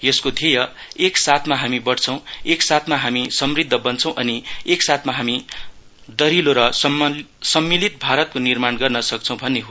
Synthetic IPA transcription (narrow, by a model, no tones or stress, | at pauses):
jʌskod̪ʱijʌ | eksat̪ʰmaɦamibʌɽt͡sʰʌw̃eksat̪ʰmaɦamisʌmrid̪ʱːʌbʌnt͡sʰʌ̃w̃ʔʌnieksat̪ʰmaɦami | d̪ʌɾiloɾʌsʌmsʌmːilit̪̚bʱaɾʌt̪̚konirmanɡʌrnʌsʌk̚t͡sʰʌw̃bʱʌnːeɦo